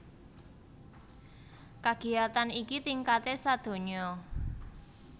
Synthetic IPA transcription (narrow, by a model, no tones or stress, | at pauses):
kaɡ̥i̤at̪anikit̪iŋkat̪esad̪̥o̤ɲɔ